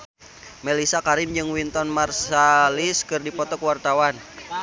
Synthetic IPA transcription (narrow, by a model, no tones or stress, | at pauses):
mɛlisakaɾimd͡ʒɨŋwint̪ɔnmarsaliskɨrdipɔt̪ɔkwart̪awan